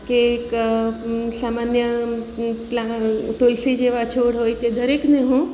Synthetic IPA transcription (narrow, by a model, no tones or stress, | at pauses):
kek | saːmanjə | plat̪olsid͡ʒeʋat͡ʃʰoːɽɦoit̪ed̪əɾekneɦũ